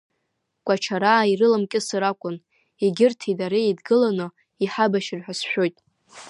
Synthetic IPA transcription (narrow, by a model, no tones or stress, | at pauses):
kʷʼat͡ʃʰaɾaːirɨlamkʲʼɪsaɾakʷʼʊn | iɡʲɪrtʰidaɾeidɡɨlanɨ | iħabaʃɪrħʷᶣasħᶣo̞jtʼ